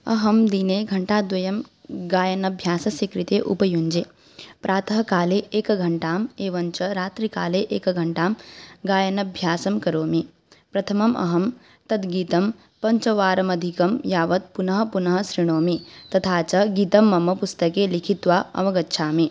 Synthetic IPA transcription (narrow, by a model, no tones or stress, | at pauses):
ɐ̰ɦɐmd̪ineːɡʱɐɳʈaːd̪ʋɐjɐmɡaːjɐnɐbʱjaːsɐsikɾit̪eːʔṵpɐjuɲd͡ʒeː | pɾʔaːt̪ʰɐɦɐkaːleːʔeːkɐɡʱɐɳʈaːmeːʋɐɲt͡ʃɐɾaːt̪ɾikaːleːʔeːkɐɡʱɐɳʈaːmɡaːjɐnɐbʱjaːsɐmkɐɾoːmi | pɾɐt̪ʰɐmɐmɐ̰ɦɐm | t̪ɐd̪ɡiːt̪ɐm | pɐɲt͡ʃɐʋaːɾɐmɐd̪ʱikɐmjaːʋɐt̪̚punɐɦɐ̆punɐɦɐsɾiɳ̃oːmit̪ɐt̪ʰaːt͡ʃɐɡiːt̪ɐmːɐmɐpust̪ɐkeːlikʰit̪ʋaːɐ̰ʋɐɡɐtːʃʰaːmi